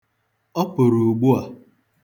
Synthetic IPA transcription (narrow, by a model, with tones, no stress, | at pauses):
ɔ˦pʊ˨ɾu˨ɡ͡bu˦a˨